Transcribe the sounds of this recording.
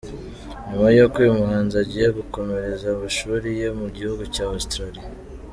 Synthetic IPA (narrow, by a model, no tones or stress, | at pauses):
ɲumajokijumuhaːnzaɟijeɡuko̞me̞ɾe̞zamaʃuːɾije̞muɟihuɡucaːustɾaɾija